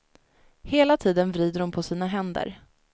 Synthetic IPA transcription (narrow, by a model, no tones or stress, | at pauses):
heːlat̪ʰiːd̪ənvɾiːd̪əɾʊmpʰɔsiːnaɦɛnd̪ə̰ɾ